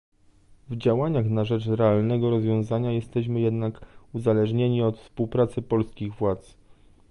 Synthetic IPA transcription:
vd͡ʑawaɲaxnaʐɛt͡ʂɾɛalnɛɡɔɾɔzvʲjɔ̃w̃zaɲajɛst̪ɛɕmɘjɛd̪nakuzalɛʐɲeɲiɔt̪fspuwpɾat̪sɘpɔlskʲiɣvwat̪s

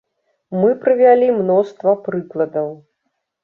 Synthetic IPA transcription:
mɨpɾɨvʲalʲimnɔst̪vɐpɾɨklˠɐd̪ɐw

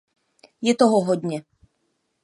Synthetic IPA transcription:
jɛt̪oɦoɦod̪ɲɛ

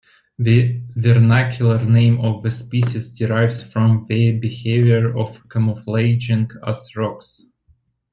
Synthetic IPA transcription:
ðɨvɛɹnækʰjʊl̩ˠəɹnẽɪ̃mɔvðɨspiʃɪzdɪɹaɪvz̥fɹɔ̃mðɨbɪheɪvjəɹɔvkʰəməfleɪd͡ʒɪ̃ŋkasɹɔks

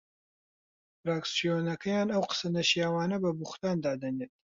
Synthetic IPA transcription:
fɾaːksijoːnɐkʰɐjaːnɐwqə̥sɐnɐʃijaːwaːnɐbɐbuχt̪aːnd̪aːd̪ɐneːt̪̚

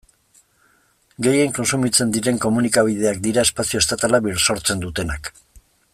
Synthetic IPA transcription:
ɡe̞je̞ŋko̞nsumit͡se̞nd̪iɾe̞ŋko̞munikaβ̞ið̞e̞akd̪iɾae̞spasiost̪at̪alaβiɾso̞ɾt͡se̞nd̪ut̪e̞nak

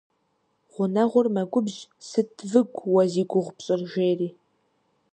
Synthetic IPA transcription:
ʁʷʊnɐʁʷʊrmɐɡʷʼʊbʑsɨtʰvɨɡʷwɐziːɡʷʊʁʷpɕʼɪrʒeːriː

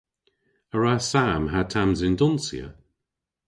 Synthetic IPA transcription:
əɹasamɦatʰamzɪndɔnsḭə̰

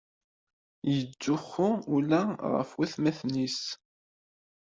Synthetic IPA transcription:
jəd͡ʒːʊχʊulæʁə̰fwæθmæθnis

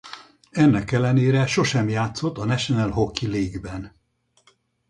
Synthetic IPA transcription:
ɛnːɛkɛlːɛneːɾɛʃo̞ʃɛmjaːt̪so̞t̪ːɒnɛʃonɛlɦo̞kːileːɡbɛn

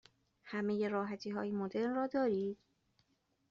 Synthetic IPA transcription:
hæme̞je̞ɾɒːɦæt̪ʰiːɦɒ̰ːjemod̪e̞ɾnrɒːd̪ɒːɾiːd̪̥

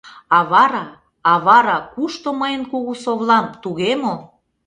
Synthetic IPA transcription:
ɑβɑɾɑː | βɑɾɑkuʃt̪oməjənkuɣusoβlɑmt̪uɣemo

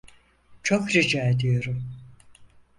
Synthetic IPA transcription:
t͡ʃʰokɾid͡ʒaːed̪ijo̞ɾum

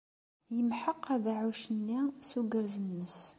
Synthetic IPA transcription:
jəmħəqːæðaʕuʃənːisuɡəɾzənːəs

